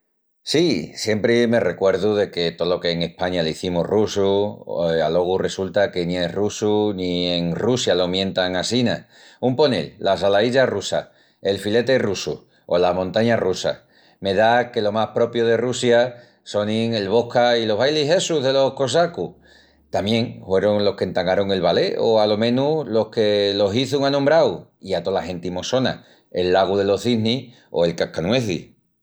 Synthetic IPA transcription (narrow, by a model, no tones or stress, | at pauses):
sisje̞mpɾeme̞re̞kwe̞ɾðuðe̞ke̞t̪olo̞ke̞ːŋe̞hpaɲaleiθimurusu | alo̞ɣ̞ure̞sult̪ake̞nie̞rusunie̞ŋrusjalo̞mjẽ̞nt̪aŋasina | umpo̞nḛlːasalaiʎarusa̰ | e̞lfile̞t̪e̞rusṵ | olamõnt̪aɲarusa̰ | me̞ðake̞lo̞mahpɾo̞pjoð̞e̞rusja | so̞nĩŋe̞lβo̞hkailo̞ɦβajliɦe̞suɦðe̞lo̞hko̞s̬aku | t̪amjẽ̞ŋfwe̞ɾo̞ŋlo̞hke̞nt̪aŋɡaɾo̞ŋe̞lβale̞oalo̞mẽ̞nulo̞hke̞lo̞ɦiθuŋanõmbɾawiat̪o̞lahe̞nt̪imo̞so̞na̰ | e̞lːaɣ̞uðe̞lo̞θini | o̞̰e̞lkakanwe̞θḭ